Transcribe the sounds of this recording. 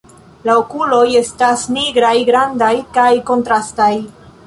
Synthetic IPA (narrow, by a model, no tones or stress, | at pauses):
laokulo̞je̞stasniɡɾajɡɾandajkajko̞ntɾastaj